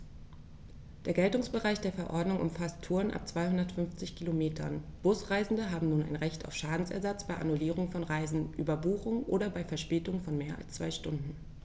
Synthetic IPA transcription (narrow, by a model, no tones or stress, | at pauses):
d̥eːɐɡɛltʊŋsb̥əʁaɪçd̥eːɐfɛɐʔɔɐdnʊŋʔʊ̰mfastʰːuːɐnʔa̰p̚t͡sv̥aɪhʊndɐtfʏnft͡sɪçkʰilomeːtʰɐ̰nb̥ʊsʁaɪzn̩dəɦaːbm̩nuːna̰ɪnʁɛçtʰa̰ʊfʃaːdn̩sɛ̰ɐzat͡sb̥aɪʔa̰nuliːʁ̞ʊŋfɔnʁaɪzn̩ʔyːbɐbuːχʊŋʔo̰ːdɐbaɪfɛɐʃpɛːtʊŋfɔnmeːɐʔa̰lst͡sv̥aɪʃtʊndn̩